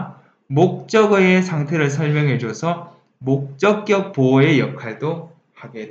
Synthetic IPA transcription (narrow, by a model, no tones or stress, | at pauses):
mok̚t͡ɕ͈ʌɡɯesʰaŋtʰe̞ɾɯɭs̬ʰʌɭmjʌŋɦe̞d͡ʑosʰʌ | mok̚t͡ɕ͈ʌk̚k͈jʌk̚poe̞jʌkʰaɭdo | haɡet